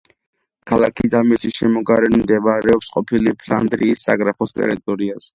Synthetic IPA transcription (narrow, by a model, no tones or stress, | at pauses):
kʰalakʰid̪amisiʃɛmɔɡaɾɛnmd̪ɛbaɾɛɔpsqʼɔpʰilipʰla̰nd̪ɾiːsːa̰ɡɾapʰɔst̪ʼɛ̰ɾit̪ʼɔɾiaz̥ɛ